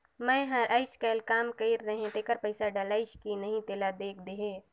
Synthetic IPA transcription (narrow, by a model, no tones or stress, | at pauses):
mɛ̃ɦɐɾʔəɪt͡ʃkɐːlkaːmkɐiɾːɐɦẽt̪ekəɾpɐɪsaɖalaːɪt͡ʃkinɐɦĩt̪eːlad̪eːk̚ʰd̪eɦẽː